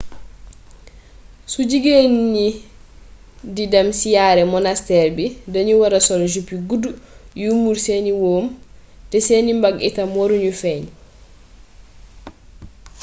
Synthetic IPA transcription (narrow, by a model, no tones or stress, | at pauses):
sud͡ʒiɡenːi | didamsijaːɾɛmɔnastɛɾbidaɲuwaɾasɔld͡ʒupiɡudujumuɾseniwoːm | tɛsenimbaɡitamoɾuɲufɛn